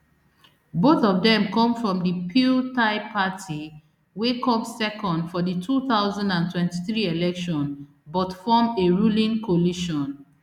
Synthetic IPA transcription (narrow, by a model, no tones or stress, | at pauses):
boθɔvdɛ̃mkɔ̃mfɹɔ̃mdipʰiltaɪpʰatʰi | wekɔpsɛkɔ̃ndfɔditʰuθaʊzãndãntwɛ̃ntiθɹielɛkʃɔ̃n | bɔtfɔmeɹulĩnkʰɔliʃɔ̃n